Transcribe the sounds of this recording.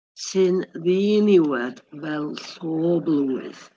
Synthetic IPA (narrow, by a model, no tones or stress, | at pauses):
sɪnðiːniwɛd̪bɛlsɔːbluːɪ̰ð̥